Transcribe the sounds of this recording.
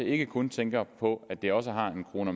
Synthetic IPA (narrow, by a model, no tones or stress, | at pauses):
e̝ɡ̥əkʰɔ̽nt͡sʰeŋɡ̥ɐpʰɒ̽æd̥e̝ɒ̽s̬əɦɑ̈e̝nkʰʁo̝ːnə